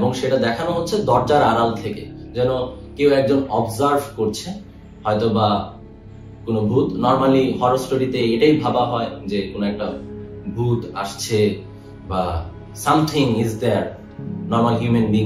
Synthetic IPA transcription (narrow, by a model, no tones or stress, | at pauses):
eboŋʃeʈad̪ɛkʰanoɦotːɕʰed̪ɔɾd͡ʑaɾaɾalt̪ʰeke | d͡ʑɛnokewɛk̚d͡ʑonɔbzaɾbʱkoɾt͡ɕʰe | hɔet̪oba | konobʱut̪nɔɾmaliɦɔɾosʈoɽit̪eeʈaibʱabaɦɔed͡ʑekonoɛk̚ʈabʱut̪a̰ʃt͡ɕʰe | ba | samt̪ʰiŋizd̪ɛɾ | nɔɾmalɦjumenbiŋ